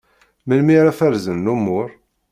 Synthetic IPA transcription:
məlmiɾæfæɾzənːumːʊɾ

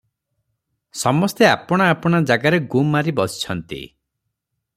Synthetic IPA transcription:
sɔmɔst̪eapɔɽ̃aːpɔɽ̃ad͡ʒaɡaɾeɡumːaɾibɔsi̥t͡ʃʰɔnt̪ḭ

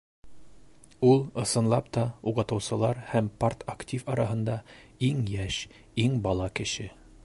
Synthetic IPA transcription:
ulˠɤ̆sɤ̆nlˠɑpt̪ɒuʁɤ̆t̪ɤ̆wsɤ̆lˠɑɾhæmpart̪ʰaktʲifɒɾɑɦɤ̆nd̪ɑiŋjæʃ | iŋbɒlˠɑkɘ̆ʃɘ

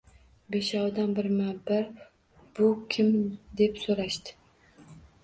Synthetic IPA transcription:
be̞ʃɒwd̪anbɪɾmabaɾ | b̥ʊkʲʰɪmd̪e̞psoɾaʃt̪ɪ̥

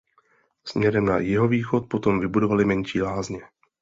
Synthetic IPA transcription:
smɲɛɾɛmna̰jɪɦo̞viːxo̞t̪̚po̞t̪o̞mvɪbudo̞valɪmɛɲʃiːlaːzɲɛ

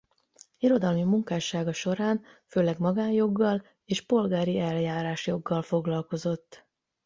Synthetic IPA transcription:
iɾo̞d̪ɒlmimuŋkaːʃaːɡɒʃo̞ɾaːnføːlɛɡmɒɡaːnjo̞ɡːɒl | eːʃpo̞lɡaːɾiɛljaːɾaːʃjo̞ɡːɒlfo̞ɡlɒlko̞zo̞t̪ː

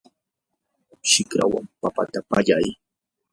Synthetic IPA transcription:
ʃɪkɾa̰wa̰mpapat̪apaʎaj

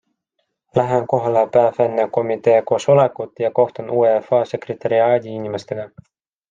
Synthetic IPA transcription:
læɦenko̞ɦɑlepæːvenːeko̞mit̪ˑe̞ːko̞ːsolekːˑut̪ːˑjɑko̞ht̪onuːefɑːse̞kret̪ːɑɾiɑːd̪ʲiinʲimest̪e̞ɡ̥ɑ

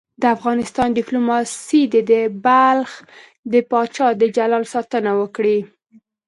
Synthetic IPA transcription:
d̪əafɣɑnɪst̪ɑndiplumɑsid̪əd̪ebalx | d̪əpɑt͡ʃɑd̪əd͡ʒalɑlsɑt̪ənawəkɽi

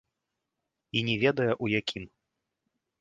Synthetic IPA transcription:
inʲɛvʲɛd̪ɐjɐʔujakʲʰim

